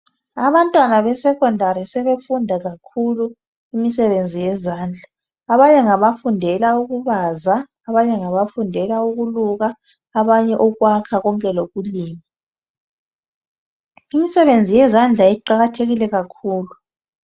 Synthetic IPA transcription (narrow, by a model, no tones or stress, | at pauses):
aβantʼwanaβɛsɛkʼɔndʱaɾisɛβefundʱaɣakʰulu | imisɛβend͡zʱijɛzaːnd͡ɮʱaː | βaɲɛŋaβafundʱɛlauɣuβazaː | βaɲɛŋaβafundʱɛlauɣuluɣaː | βaɲɛʔɔɣwakʰaɣɔŋkʼɛloɣuliːma | imisɛβend͡zʱijɛzand͡ɮʱaiǃaɣatʰeɣilɛɣakʰuːlu